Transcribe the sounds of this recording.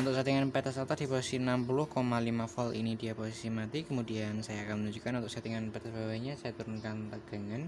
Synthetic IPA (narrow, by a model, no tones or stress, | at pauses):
unt̪ʊksat̪iŋanpɛt̪asat̪asdiposisiənampulʊhkomalimafɔlʔḭnidiaposisimat̪ikəmudiansajaːkanmənuɲd͡ʒukanunt̪ʊk̚sat̪iŋanpɛt̪asbawajɲasajat̪uɾʊnkant̪əɡ̥aŋan